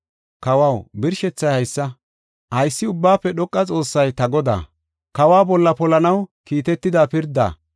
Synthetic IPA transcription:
kɐwɐwbɪɾʃɛt͡sːɐjhɐjsːɐ | hɐjsːɪʊbːaːpːɛɗɔkʼːɐt͡sʼo̞ːsːɐjt̪ɐɡɔd̪a̰ː | kɐwaːbɔlːɐpɔlɐnɐwkiːt̪ɛt̪ːɪd̪aːpɪɾd̪a̰ː

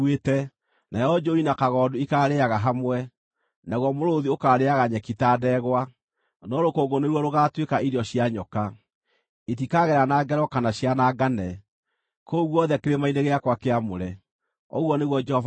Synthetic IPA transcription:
wetɛ | najɔd͡ʒoinakaɣɔdoikaːɾeaɣaɦamwɛ | naɣwɔmoɾoðiokaːɾeaɣaɲɛkitaːdɛɣwa | nɔɾokoːŋɡoneɾwɔɾoɣatwekaiɾjɔɕjaɲɔka | et̬ikaɣɛɾanaɡɛɾɔkanaɕjanaːɡanɛ | koɣwɔðɛkeɾemaineɣeakwakeamoɾɛ | ɔ̰ɣwɔneɣwɔd͡ʒɛhɔv

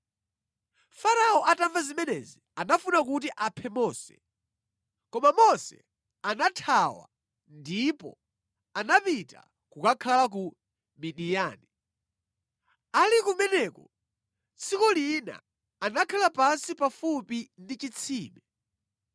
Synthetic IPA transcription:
faɾaɔʔataɱvazimɛnɛzianafunak̬ut̬iʔapʰɛmɔːsɛ̥̰ | kɔmamɔsɛ̰ | anatʰawa̰ | ndipɔ̰ | anapita̰ | kukakʰalak̬u | miɗijaːni | alikumɛnɛkɔ̰ | t͡sʰikɔlina̰ | anakʰalapasipafupindit͡ʃit͡sʰiːmɛ

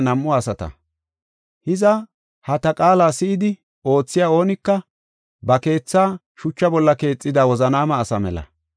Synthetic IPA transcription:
nɐmːʊaːsɐt̪ɐ̰ | hɪzɐ | hɐt̪ɐkʼaːlaːsɪʔɪd̪ɪ | o̞ːt͡sːɪjaːo̞ːnɪkːɐ | bɐke̞ːt͡sːaː | ʃʊt͡ʃːɐbɔlːɐke̞ːt͡sʼːɪd̪aːwɔzɐnaːmɐːsɐmɛ̰lɐ̰

